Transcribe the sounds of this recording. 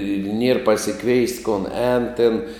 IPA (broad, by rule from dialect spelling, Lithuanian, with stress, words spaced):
ɪr ˈnʲiɛr pɐsʲɪˈkʋʲɛɪst koːn ˈɛːn tʲeːn